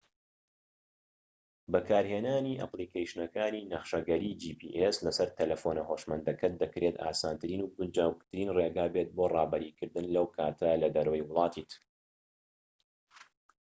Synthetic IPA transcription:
bɐkaːɾheːnaːniːʔɐ̰pliːkejʃnɐkaːniːnɐχʃɐɡɐɾiːd͡ʒiːpʰḭːʔeslɐsɐɾt̪ʰelɐfoːnɐɦoːʃmɐnd̪ɐkʰɐt̪̚d̪ɨkɾʔeːt̪ʰa̰ːsaːnt̪ʰɨɾiːnuːɡʊnd͡ʒaːwk̚t̪ʰɨɾiːnreːɡaːbet̪̚boːrɑːbɐɾiːkʰɨɾd̪ɨnlɐwkʰaːt̪ʰɐlɐd̪ɐɾwɐjwʊlˠɑːt̪ʰit̪

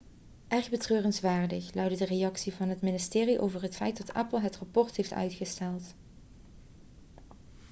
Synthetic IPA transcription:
ʔɛɹɣbətrøːrənsʋaːɹdəxlœɥdədərejɑksivɑnɦətmɪnɪstɪːriʔo̰wvərɦətfɛjtdɑtɛ̰pəl̩ˠɦətrɑpɔɹtɦejftœ̰ɥtxəstɛlˠt

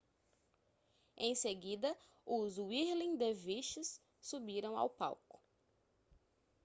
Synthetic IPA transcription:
ẽj̃seɡid̪ɐ | ʊzwiɾlĩd̪eviʃɪsː | ubiɾɐ̃w̃a̰wpa̰wkʊ̥

